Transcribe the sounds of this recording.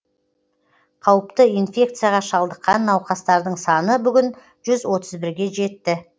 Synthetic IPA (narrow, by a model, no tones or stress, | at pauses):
qʰɑwəpt̪əinfʲe̞k̚t̪sɨjaʁɑʃɑlˠd̪əqːɑnːɑwqɑst̪ɑɾd̪əɴsɑnəbʏɡʲɪn | ʒ̥ʏzwo̞t̪ʰəzbɪɾɡʲe̞ʒe̞t̪ːɪ